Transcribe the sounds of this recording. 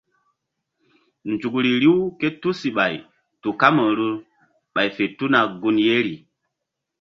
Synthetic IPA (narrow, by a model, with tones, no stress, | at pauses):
nd͡ʒu˨kɾi˨ɾi˦wke˦tu˦si˨ɓa˨j | tu˨ka˦mə˨ɾu˦ | ɓa˨jfe˨tu˦na˨ɡu˦nje˦ɾi˨